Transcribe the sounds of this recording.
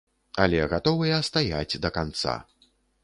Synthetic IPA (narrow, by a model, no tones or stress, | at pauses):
ɐlʲɛɣat̪ɔvɨjɐst̪aja̰d͡zʲd̪ɐkant̪sa̰